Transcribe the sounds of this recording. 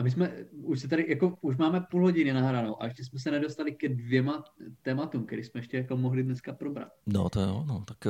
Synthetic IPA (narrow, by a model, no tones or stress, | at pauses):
ʔamɪs̬mɛuʃsɛt̪adɪjako̞uʃ̬maːmɛpuːlɦo̞ɟɪnɪnaɦɾanowʔa̰ɛʃcɛs̬mɛs̬ɛnɛdo̞st̪alɪkɛdvjɛmat̪ɛːmat̪umk̪ɛɾismɛɛʃcɛjako̞moɦlidnɛskapɾobɾa̰t̪̚no̰t̪ojo̰not̪ak